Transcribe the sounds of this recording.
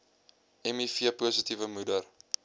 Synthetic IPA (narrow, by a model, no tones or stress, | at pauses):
ɛmifiəpuːsitivəmudər